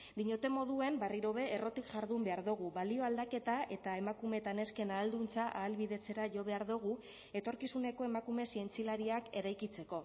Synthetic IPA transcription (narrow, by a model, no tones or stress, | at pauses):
d̪iɲo̞t̪e̞mo̞ðue̞mbariɾo̞βe̞ːro̞t̪ikʝaɾðumbe̞aɾðuɣ̞uβalio̞ald̪ake̞t̪aʔe̞t̪ae̞makume̞t̪ane̞ske̞naːld̪unt͡saʔaːlβiðe̞t͡se̞ɾaʝo̞β̞e̞aɾðuɣ̞u | e̞t̪o̞ɾkisune̞ko̞e̞makume̞sie̞nt͡silaɾiake̞ɾajkit͡se̞ko̞